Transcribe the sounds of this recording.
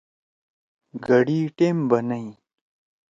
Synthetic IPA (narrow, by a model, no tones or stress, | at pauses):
ɡɐɽiːʈeːmbɐnɐi